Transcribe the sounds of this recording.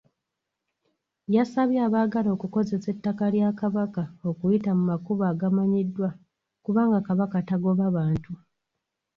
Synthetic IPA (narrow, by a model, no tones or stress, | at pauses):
jasaβjaːβaːɡalo̞kuko̞ze̞se̞tːakaljakaβakao̞kujitamumakuβaːɡamaɲidːwa | kuβaːŋɡakaβakataɡo̞βaβaːntu